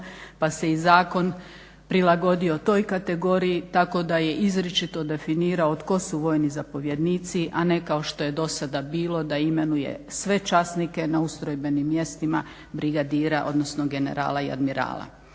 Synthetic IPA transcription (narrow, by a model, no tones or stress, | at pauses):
pase̞izaːko̞n | pɾilˠaɡo̞d̪io̞t̪o̞jkat̪e̞ɡo̞ːɾijit̪ako̞d̪aje̞ʔizɾet͡ʃit̪o̞d̪e̞finiːɾaot̪ko̞suʋo̞jnizapo̞ʋje̞d̪niːt̪siʔane̞kao̞ʃt̪o̞je̞d̪o̞sad̪abiːlˠo̞d̪aime̞nujḛsʋe̞t͡ʃasnike̞naust̪ɾojbe̞nimːje̞st̪ima | bɾiɡad̪iːɾaʔo̞̰d̪no̞snoɡe̞ne̞̰ɾa̰ːlˠaia̰d̪miɾa̰ːlˠa̰